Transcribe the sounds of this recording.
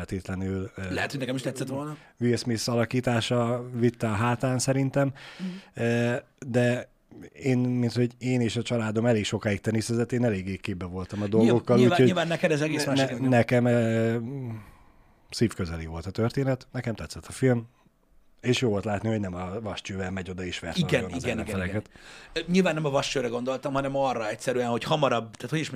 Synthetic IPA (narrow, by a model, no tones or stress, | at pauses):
lt̪eːt̪lɛnyllɛ̰hɛt̪hoɟnɛkɛmiʃt̪ɛt̪sɛt̪ʋolnɒvismisɒlɒkiːt̪aːʃɒvit̪ːɛɒɦaːt̪aːnsɛɾint̪ɛm | d̪ɛ | eːnmint̪ho̞ɟeːneːʃɒt͡ʃɒlaːd̪o̞mɛleːkʃo̞kaːjik̚t̪ɛnisɛzɛt̪ːeːnɛleːɡeːkeːbːɛvo̞lt̪ɒmɒd̪o̞lɡɡo̞kkːɒliuːhoivaːnːɛkɛd̪ɛzɛɡeːsmanɛnɛkɛm | siːfkøzɛliːvo̞lt̪ɒt̪ørt̪eːnɛt̪nɛkɛmt̪ɛt̪sːɛt̪ʰːɒfilm | eːʃjoːo̞lt̪laːt̪niho̞ɟnɛmɒvɒʃt͡ʃøːvɛlmɛɟo̞d̪ɒeːʃʋɛ̰rtiɡɛnizɛnimɡɛɾɛkɛt̪ɲilvaːnːɛmɒvɒʃt͡ʃøːɾɛɡo̞nd̪o̞lt̪ɒmhɒnɛmɒrɒɛcsɛɾyɛnho̞chɒmɒɾɒbt̪aːt̪hoɟiʃ